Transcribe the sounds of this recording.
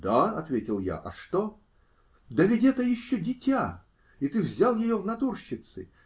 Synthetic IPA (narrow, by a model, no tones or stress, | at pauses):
d̪aɐt̪vʲetʲɪlˠja̰ʔɐ̰ʂt̪o | d̪ɐvʲɪtʲɛt̪əjɪɕːodʲɪtʲa | it̪ɨvzʲalˠjɪjovnɐt̪urɕːɪt̪sɨ̰